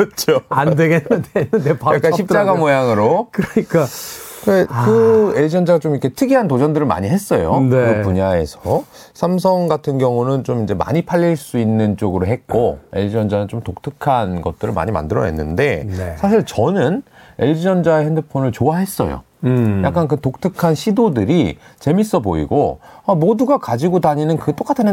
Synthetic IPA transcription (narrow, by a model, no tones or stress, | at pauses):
t͡ɕʰoandweɡenːɯndeepjakk͈aɕʰip̚t͡ɕaɡamojaŋɯɾokɯɾɲik͈a | ekɯe̞ʎd͡ʑiʌnd͡ʑaɡat͡ɕomikʰe̞tʰɯɡiɦantod͡ʑʌndɯɾɯɭma̰ɲiɦe̞s͈ʌjoneɯpuɲae̞sʰʌ | sʰams̬ʰʌŋɡatʰɯnɡjʌŋunɯnt͡ɕomind͡ʑe̞ma̰ɲipʰaʎːiɭs͈uinːɯnt͡ɕ͈oɡɯɾoɦe̞t̚k͈oe̞̰ʎd͡ʑiʌnd͡ʑanɯnt͡ɕomtok̚tʰɯkʰanɡʌt̚t͈ɯɾɯɭma̰ɲima̰ndɯɾʌ̰ḛnːɯnde̞sʰaɕʰiɭt͡ɕʌnɯne̞ʎd͡ʑiʌnd͡ʑaehendɯpʰonɯɭt͡ɕoaɦe̞s͈ʌ̰jo̰ | jakk͈ank̬ɯtok̚tʰɯkʰanɕʰidodɯɾit͡ɕe̞mis͈ʌboḭɡoamoduɡakad͡ʑiɡodaɲinɯnkɯt͈ok͈atʰɯn